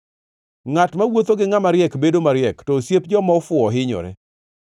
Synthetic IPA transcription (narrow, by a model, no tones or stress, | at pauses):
ŋatmawot̪oɡɪŋamaɾjɛkbedomaɾjɛktɔsjep̚d͡ʒɔmɔfʊɔɦɪɲɔ̰ɾɛ̰